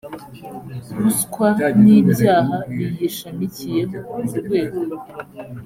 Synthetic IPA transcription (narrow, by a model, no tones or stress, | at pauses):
ɾuskwaniːbjaːɦaβijiʃamicijemouuɾɡwe̞ːɡoa